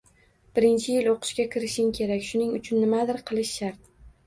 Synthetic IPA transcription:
b̥ɪɾɪnt͡ʃʰɪjɪlˠoqʰɨ̥ʃkʲakʲʰɪɾɪʃɪŋkʲʰe̞ɾakʲʃʊnɪŋʊt͡ʃʰʊnːɪmad̪ɪɾqʰɨlˠɪʃːaɾt̪̚

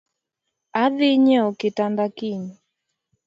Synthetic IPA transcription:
aðiɲɛɔkɪtandakiɲi

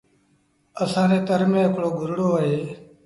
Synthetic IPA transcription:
əsãːnẽːt̪əɾmẽːɦɪkɽoːɡʱʊɾɽoːəɦeː

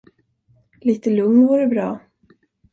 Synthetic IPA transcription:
liːt̪əlɵŋnvuːɾəbɾɑː

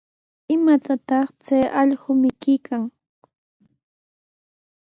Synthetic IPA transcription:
ɪmat̪at̪ɑχt͡sajʔɑʎɢʊmɪkɪjkaŋ

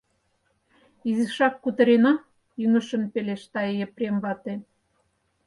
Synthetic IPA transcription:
iziʃɑkːut̪ə̆ɾenɑ | jyŋə̆ʃə̆npeleʃt̪ɑejeprʲemβɑt̪e

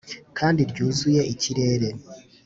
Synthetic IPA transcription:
kʰaːndiɾɟuːzuje̞ʔiciɾe̞ːɾe̞

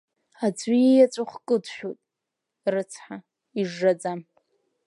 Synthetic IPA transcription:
ad͡zʷijjat͡sʷʼaχʷkʼɨdʃᶣotʼ | rɨt͡sʰħa | iʐːad͡zam

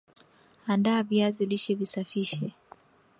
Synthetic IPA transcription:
andaːviaziliʃɛvisafiʃɛ

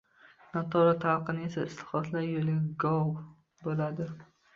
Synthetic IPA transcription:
nat̪ʰɒɾat̪ʰalqɨnɪe̞saɪst̪ɪ̥χɒt̪ʰlaɾjolɪɡɒw | bolad̪ɪ

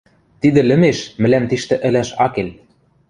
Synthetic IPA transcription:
t̪id̪ɘ̆lɘ̆meʃmɘ̆læmt̪iʃt̪ɘ̆ʔɘ̆læʃɑkel

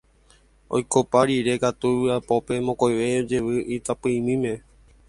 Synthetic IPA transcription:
o̰jkopaɾiɾe̞kat̪uapope̞mõkojʋejod͡ʒe̞ʋɨʔit̪apɨĩmĩmẽ̞

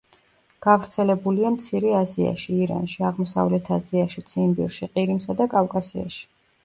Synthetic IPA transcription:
ɡ̥avɾt̪sʰɛlɛbuliamt̪sʰiɾɛazia̰ʃiːɾa̰nʃiaʁmɔsa̰vlɛt̪ʰaziaʃit̪sʰimbḭɾʃiqʼiɾimsad̪akʼavkʼasia̰ʃi̥

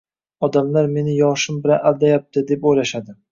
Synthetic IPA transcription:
ɒd̪amlaɾme̞nɪjɒʃɪmbɪlaʔald̪ajap̚t̪ʰɪd̪e̞pojlaʃad̪ɪ

